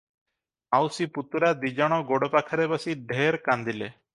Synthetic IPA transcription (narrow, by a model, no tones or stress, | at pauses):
awsiput̪uɾad̪id͡ʒɔɽ̃ɔɡoɽɔpakʰaɾebasiɖʱeɾkand̪ile